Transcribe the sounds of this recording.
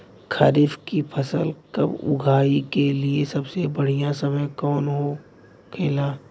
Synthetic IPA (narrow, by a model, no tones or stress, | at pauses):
kʰaɾɪfkipʰɐsəlkɐ̰bʊ̰ɡʱaːikeliesɐbsebɐɽ̤ijãsɐməjkɔːnɦo | kʰeːlaː